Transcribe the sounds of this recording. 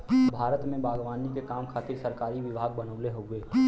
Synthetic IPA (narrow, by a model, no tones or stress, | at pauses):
bʱaːɾət̪mẽbaːɡʋaːnikekaːmkʰaːt̪ɪɾsɐɾkaːɾiʋɪbʱaːɡ̚bənəːleɦoeː